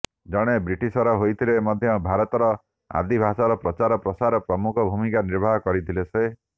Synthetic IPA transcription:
d͡ʒɔɽ̃ebɾiʈisɔɾɔɦojt̪ʰilemɔd̪ʱjɔbʱaɾɔt̪ɔɾɔ | a̰d̪ʱibʱasɔɾɔpɾɔt͡ʃaɾɔpɾɔsaɾɔpɾɔmukʰɔbʱumikaniɾbʱaɦɔkɔɾit̪ʰilese

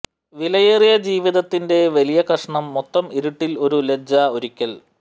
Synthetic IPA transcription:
ʋilɐjerijɐd͡ʑiːʋiðɐt̪ːinde̞ʋɐlijɐkɐʂɐɳɐmːot̪ːɐmiɾuʈːilo̞ɾuled͡ʑɐoɾikʲːɐl

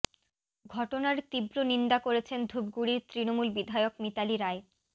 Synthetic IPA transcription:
ɡʱɔʈonaɾt̪ibɾonind̪akoɾet͡ɕʰend̪ʱub̚ɡuɽiɾt̪ɾinomulbid̪ʱaeokmit̪aliɾaj

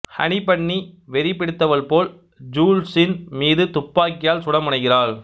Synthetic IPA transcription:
hɐ̰ɳɪpɐɳːiʋɛɾɪpɪɽɯt̪ːɐʋɐlpoːl | d͡ʒuːlsɪnmiːðɯt̪ʊpːaːkːɪjaːlsʊɽɐmʊɳɐɪɣɪraːɭ

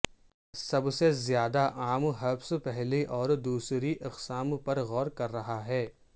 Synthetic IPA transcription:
sɐbsezjaːd̪aʔaːmɦɐbspɛɦliʔɔːɾd̪uːsɾiʔɐqsaːmpɐɾɣɔːɾkɐɾːɐɦaɦɛː

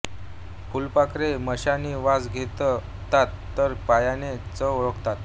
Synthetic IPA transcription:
fʰulpakɾeməɕaniʋad͡zɡʱet̪ə | t̪at̪ːəɾpajanet͡səɾəkt̪at̪̚

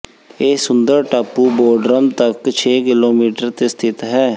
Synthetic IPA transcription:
eːsʊnd̪əɾʈaːpuːboːɖɾəmt̪əkt͡ʃʰeːkɪloːmiːʈəɾt̪eːst̪ʰɪt̪ɦɛː

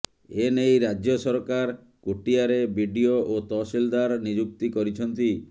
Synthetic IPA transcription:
enejɾad͡ʒjɔsɔɾkaɾ | kuʈiaɾebʱiɖioʔot̪ɔsild̪aɾnid͡ʒuk̚t̪ikɔɾit͡ʃʰɔnt̪i

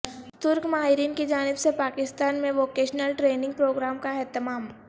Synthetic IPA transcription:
t̪ʊɾkmaːɦɪɾiːnkid͡ʒaːnɪbsepaːkɪst̪aːnmẽʋoːkeːʃnəlʈɾeːnɪ̃ŋɡ̚pɾoːɡɾaːmkaɛɦt̪əmaːm

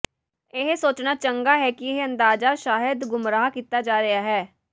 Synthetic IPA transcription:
ɪɦsoːt͡ʃnaːt͡ʃəŋɡaːɦɛːkiɪɦə̃nd̪aːd͡ʒaːʃaːɦɪd̪ɡʊmɾaːkiːt̪aːd͡ʒaːɾɪaːɦɛː

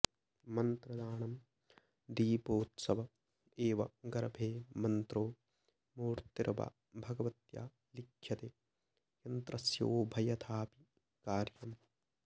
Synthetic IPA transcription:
mɐnt̪ɾɐd̪aːɳɐm | d̪iːpoːt̪sɐʋɐ | eːʋɐɡɐɾɐbʱeːmɐnt̪ɾoː | muːɾt̪iɾʔɐba̰ | bʱɐɡɐʋɐt̪ja̰ː | likʰjɐt̪eː | jɐnt̪ɾɐsjo̰ːbʱɐjɐt̪ʰaːpi | kaːɾjɐm

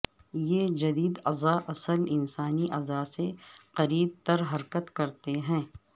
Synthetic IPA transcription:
jed͡ʒɐd̪iːd̪ɐzaʔɐsəlɪnsaːniʔɐzaseqɐɾiːb̚t̪ɐɾɦɐɾkət̪kɐɾt̪eɦɛ̃ː

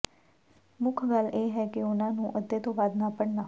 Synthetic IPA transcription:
mʊkʰɡəleːɦɛːkɪʊnãːnũːʔəd̪ːeːt̪õːbaːd̪naːpəɽnaː

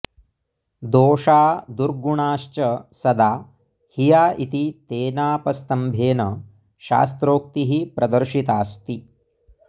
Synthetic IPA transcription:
d̪oːʂaːd̪uɾɡuɳaːʃt͡ʃɐsɐd̪aː | hijaːʔit̪it̪eːnaːpɐst̪ɐmbʱeːnɐ | ʃa̰ːst̪ɾoːk̚t̪iɦipɾɐd̪ɐɾʃit̪aːst̪i

